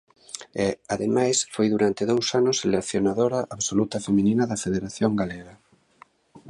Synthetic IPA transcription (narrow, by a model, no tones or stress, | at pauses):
ɛaðemajsfojðuɾant̪eðowsanʊselekθjonaðoɾaʔaβsolut̪ɐfemĩninɐðɐfeðeɾaθjoŋɡaleɣɐ